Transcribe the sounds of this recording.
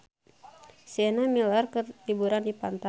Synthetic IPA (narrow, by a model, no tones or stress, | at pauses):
sɛnamilarkərlibuɾandipant̪a